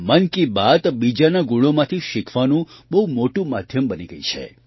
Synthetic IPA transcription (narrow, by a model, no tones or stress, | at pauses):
mənkibad̪bid͡ʒanaɡuɭomãt̪ʰiʃikʰʋanũbəɦumoʈũmad̪ʱjəmbəniɡəjit͡ʃʰḛ